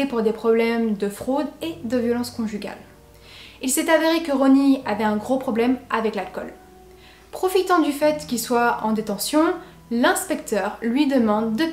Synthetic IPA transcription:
epuʁd̪epχɔblɛmd̪əfχod̪ed̪əvjɔlɑ̃skɔ̃ʒyɡʲa̰l | ilsɛt̪aveʁekəʁɔniavɛɛ̃ɡʁopχɔblɛmavɛklalkɔl | pχɔfit̪ɑ̃d̪yfɛt̪kʲilswaɑ̃d̪et̪ɑ̃sjɔ̃ | lɛ̃spɛk̚t̪œʁlɥid̪əmɑ̃d̪ːə

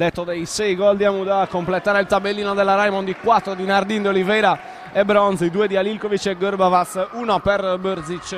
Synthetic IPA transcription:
d̪ɛt̪ːɔd̪ejsɛjɡɔld̪iamud̪akːomplɛt̪aːɾelt̪abelːiːnɔd̪ɛlːaɾajmɔnd̪ikwat̪ːɾod̪inaɾd̪ind̪eolivɛɾa | ɛbɾɔnsid̪uːɛd̪ialilkovit͡ʃɛɡɔɾbavasuːnɔpɛɾbøɾd̪zit͡ʃː

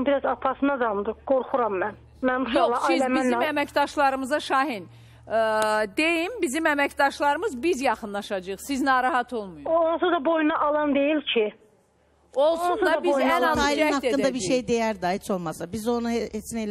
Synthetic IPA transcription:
biɾɑzɑpʰɑsɯnɑɡ̪ɑmd̪ɯɡ̥oɾχuɾɑmːæn | mænbuʃjolˠɑsiminmæmæcd̪ɑʃlˠɑɾɯmɯzɑʃɑːɦin | d̪e̞jimbizimæmæcd̪ɑʃlˠɑɾɯmɯzbizjɑχɯnlˠɑʃɑd͡ʒɯjɯχsiznɑːɾɑɦɑt̪ʰo̞lˠmujuonsud̪ɑbo̞junɑʔɑlˠɑnd̪e̞jilcʰi | o̞lˠsnund̪ɑbizænɑzɑjiæhɑt̪edːɯnɑbiɾʃejd̪ejæɾd̪ɑhet͡ʃʰo̞lˠmɑsɑbizo̞nuet͡ʃʰnejl

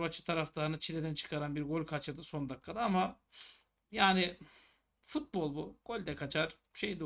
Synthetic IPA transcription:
bat͡ʃʰɯ̥t̪ʰaɾaft̪ʰaɯnɯt͡ʃʰilʲed̪ænt͡ʃʰɯ̥kʰaɾanbiɾɡo̞lʲkʰat͡ʃʰɯd̪ɯso̞nd̪akʰːad̪aama | jaːnɪ | fut̪̚bo̞lˠbuɡ̥o̞lʲd̪ɛkʰat͡ʃʰaɾ̥ | ʃejd̪o

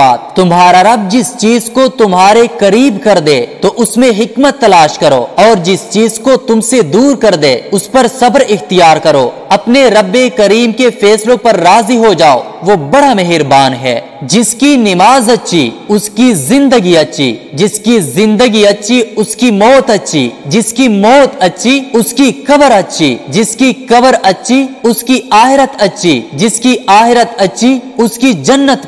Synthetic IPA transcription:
aːt̪t̪ːʊmɦaːɾaɾɐb̚d͡ʒɪst͡ʃiːzkot̪ʊmɦaːɾekɐɾiːbkɐɾd̪ẽːt̪oʔʊsmẽɦɪkmət̪ːɐlaːʃkɐɾo̰ːɔːɾd͡ʒɪst͡ʃiːzkot̪ʊmsed̪uːɾkɐɾd̪ẽːʊspɐɾsɐbɾɪxt̪ijaːɾkɐɾoːɐpneɾɐbːekɐɾiːmkefɛːslõpɐɾːaːziɦod͡ʒaːo̰ | ʋobɐɽamɐɦɪɾbaːnɦɛ̰ː | d͡ʒɪskinɪmaːzɐtːʃʰḭʊskizɪ̃nd̪əɡiɐtːʃʰḭd͡ʒɪskizɪ̃nd̪əɡiɐtːʃʰiʊskimɔːt̪ɐtːʃʰḭd͡ʒɪskimɔːt̪ɐtːʃʰiʊskikɐbəɾɐtːʃʰḭd͡ʒɪskikɐbəɾɐtːʃʰiʊskiaːxɪɾət̪ɐtːʃʰid͡ʒɪskiaːxɪɾət̪ɐtːʃʰi | ʊskid͡ʒɐnːət̪

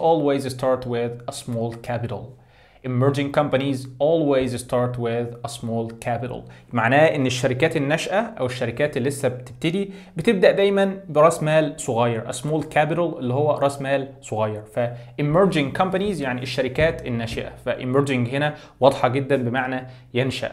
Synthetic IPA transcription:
ʔoːlwezst̪ɑːɾˤt̪wɪðæsˤmoːlkʰæpɪt̪a̰l | ʔɪmːeɾd͡ʒɪ̃ŋɡkɑmpænizʔoːlwezst̪ɑːɾˤt̪wɪðæsˤmoːlkʰæpɪɾə̰lmaʕnæːʔɪnːeʃːæɾɪkæːt̪enːæʃʔæʔæweʃːæɾɪkæːt̪elːesːæb̚t̪ɪb̚t̪ɪd̪ibɪt̪ɪb̚d̪æʔd̪æjmænbɪɾˤɑsmæːlsˤoɣɑːjːɑɾˤʔæ̰sˤmoːlkæpɪɾɑlʔelːihowːæɾˤɑsmæːlsˤoɣɑːjːɑɾˤfæʔɪmːeɾd͡ʒɪ̃ŋɡ̚kɑmpænizjaʕniʔeʃːæɾɪkæːt̪enːæʃɪʔæ̰fæʔɪmeɾd͡ʒɪŋɡhenæ | wɑd̪ˤħɑɡed̪ːænbemaʕnæ | jenʃæ̰ʔ

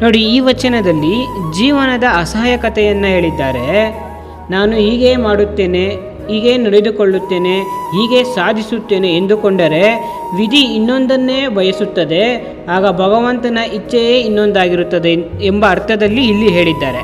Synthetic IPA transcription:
no̞ːɽiiːʋɐt͡ʃɐnɐd̪ɐlːid͡ʒiːʋɐnɐd̪ɐːsaːjɐkɐt̪ɛjɐnːɐɦe̞ːɭid̪ːaːɾe̞ | naːnuɦiːɡe̞ːmaːɽut̪ːe̞ːne̞ | ɦiːɡe̞ːnɐɽed̪uko̞ɭːut̪ːe̞ːne̞ɦiːɡe̞saːd̪ʱisut̪ːe̞ːne̞ːnd̪ukoɳɖɐɾe̞ | ʋid̪ʱiːnːo̞nd̪ɐnːe̞ːʋɐjɐsut̪ːɐd̪e̞ | aːɡɐbʱɐɡɐʋɐnt̪ɐnɐʔit͡ʃːɐjeːinːo̞nd̪aːɡiɾut̪ːɐd̪e | ɛmbɐːɾt̪ʰɐd̪ɐlːiːlːiɦe̞ːɭid̪ːaːɾe̞

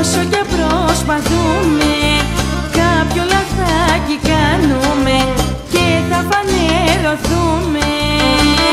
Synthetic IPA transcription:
socɐpɾospɐðume | kɐpçolɐfθɐcikɐnume̞ | cet̪ɐpɐneɾoθume

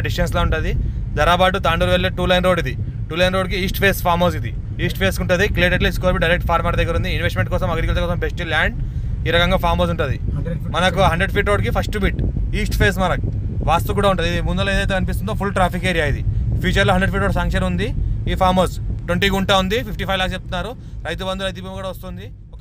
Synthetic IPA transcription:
ɖisʈenslaːuɳʈaːd̪id͡ʒ̪ɐɾaːbaːʈut̪aːɳɖuɾʋelːeʈuːlɐjnɾoɖid̪i | ʈuːlɐjnɾoːɖkiiːsʈpʰeːspʰaːɾmoːsid̪ḭ | iːsʈpʰeːskuɳʈud̪iklieːʈeɖliːskoːɾbiɖɐjɾek̚ʈ̚pʰaːɾmaːɾɐd̪eɡɐɾund̪iːnʋesʈmeɳʈ̚kɔːsɐmɐɡɾikɐlsɐkɔːsɐmbesʈiljaːɳɖ | iːɾɐkɐŋɡaːpʰaːɾmoːsuɳʈuːd̪i | mɐnɐkuɦɐɳɖɾeɖpʰiːʈɾoːɖkipʰɐsʈubiːʈiːsʈpʰeːs̬mɐnɐk | ʋaːst̪ukuːɽaːuɳʈund̪id̪imund̪uɐlːɐeːd̪ɐjt̪eɐnip̬is̬t̪und̪opʰulʈɾaːpikeːɾiaːjid̪ipʰiːt͡ʃɐɾloɦɐɳɖɾeɖpʰiːʈɾoːɽsɐŋkʂɐnund̪iiːpʰaːɾmɐːɾsʈweɳʈikuɳʈaund̪ipʰipʈipʰɐjʋlaːkst͡ʃep̚t̪unːaːɾu | ɾɐjt̪̬ubɐnd̪uɾɐjt̪ubuːmkuːɽaːʋɐst̪und̪i | ok

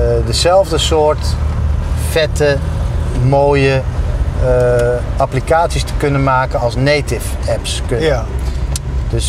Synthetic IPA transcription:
dəzɛlˠvdəsʊːɹt | fɛtə | moːjə | ʔaplikaːtsistə̥kɵnənmaːkənɑlˠsnejtɪfɛpsk | d̥øs

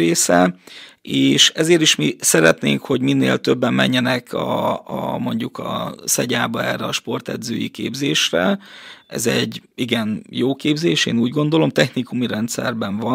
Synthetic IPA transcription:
eːsɛ | eːʃɛzeːɾiʃmisɛɾɛt̪nḛːŋkho̞ɟminːḛːlt̪ø̞bːɛmːɛ̰ɲːɛnɛkɒ | mo̞ɲɟukɒ̰sɛɟaːbɒɛrːɛɒʃpo̞rt̪ɛ̰d̪zøːjikḛːbzeːʃrɛʔɛzɛɟːiɡɛnjoːkeːbzeːʃeːnuːɟɡo̞nd̪o̞lo̞mt̪ɛxnikumiɾɛnt̪sɛ̰rbɛɱvɒ

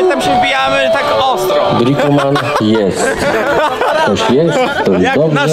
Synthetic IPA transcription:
t̪amɕɛvbʲijamɘt̪akɔst̪b̪ɾikuman | jɛst̪ | t̪ɔɕjɛsːɔzd̪ɔbʐɛ

